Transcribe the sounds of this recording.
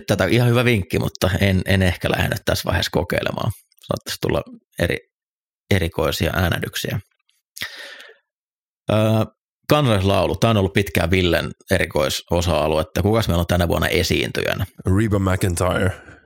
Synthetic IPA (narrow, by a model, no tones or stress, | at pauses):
t̪t̪æt̪æoʔihɑhyʋæʋiŋkːimṵt̪ːɑenenehkælæ̰hḛnːyt̪t̪æsʋɑ̰heskokeilḛmɑ̰ː | sɑno̰t̪ːɑ̥st̪ulːɑ̰ | eɾḭ | eɾiko̞isiɑ̰ʔæːnæ̰dyksiæ | əː | kɑnsɑlislɑulut̪æːonolːuppit̪kæʋilːeneɾikoisosɑɑluet̪ːækukɑsmelont̪ænæʋuɑnːɑ̰ʔesḭːnt̪y̰jæ̰næɹibəmækə̃ntʰɑjə˞